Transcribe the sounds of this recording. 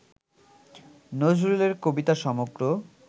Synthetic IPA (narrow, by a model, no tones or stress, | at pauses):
nod͡ʑɾuleɾkobit̪aʃɔmoɡɾo